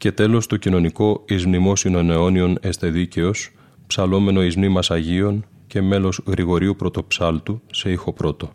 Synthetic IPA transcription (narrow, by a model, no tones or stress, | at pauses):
ce̞t̪e̞lo̞st̪o̞cino̞niko̞izmnimo̞sinoeneo̞nio̞ne̞st̪e̞ðice̞o̞s | psɐlo̞me̞no̞izmnimɐsɐʝio̞n | ce̞me̞lo̞zɣɾiɣo̞ɾiupɾo̞t̪o̞psɐlt̪use̞ixo̞pɾo̞t̪o̞